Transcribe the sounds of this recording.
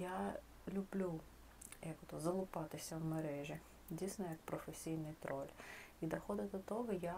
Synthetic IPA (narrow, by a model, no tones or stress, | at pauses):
ja | lʲʊblʲu | jɐkʊt̪ʊzɐlˠʊpɑt̪ɪsʲɐwmɐɾɛʒʲi | dʲijsʲnɔjɐk̚pɾɔfesʲijnɪjt̪ɾʔɔlʲid̪ɐxɔd̪ɪd̪ɔt̪ɔɦɔja